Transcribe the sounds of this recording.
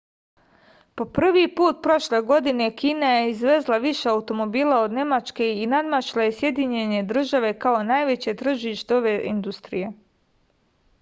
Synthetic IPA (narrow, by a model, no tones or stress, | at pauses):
po̞pr̩ʋipuːt̪̚pɾo̞ʃleɡo̞d̪ine̞kiːnaje̞izʋe̞zlˠaʋiʃe̞aut̪o̞mo̞biːlˠao̞d̪ne̞mat͡ʃke̞inad̪mat͡ʃlˠajesje̞d̪iɲe̞ɲe̞d̪ɾr̩ʒaʋe̞kao̞naːjʋet͡ɕet̪r̩ʒiʃt̪eo̞ʋe̞ḭnd̪ust̪ɾije̞